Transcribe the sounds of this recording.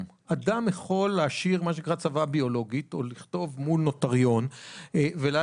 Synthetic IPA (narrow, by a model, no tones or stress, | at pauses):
adamjeχo̞lːeaʃiʁmaʃekʁat͡savabio̞lo̞ɡit̪oliχt̪o̞vmulno̞t̪aʁjo̞n | vela